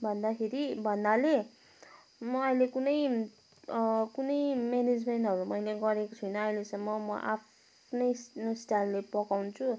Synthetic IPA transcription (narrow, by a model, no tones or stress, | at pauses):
bʱʌnd̪akʰeɾibʱʌnd̪ale | mʌːjlekunʌj | kunʌjmened͡zmenʈʌɾumʌjleɡʌɾekot͡sʰʌjnʌʌjlesʌmːʌmʌ̰ʔa̰p | nʌjsnosʈalːepʌkawnt͡sʰu